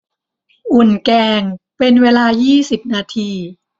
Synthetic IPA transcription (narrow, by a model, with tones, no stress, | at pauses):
ʔu˨˩nkɛː˧ŋpe˧nweː˧laː˧jiː˥˩si˨˩p̚naː˧t̪ʰiː˧